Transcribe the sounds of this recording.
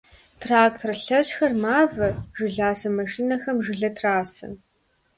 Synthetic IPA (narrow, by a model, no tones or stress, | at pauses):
tʰraːktʰrɐɬɐɕxɐrmaːvɐʒɨɮaːsɐmɐʃiːnɐxɐmʒɪɮɐtʰraːsɨ̰n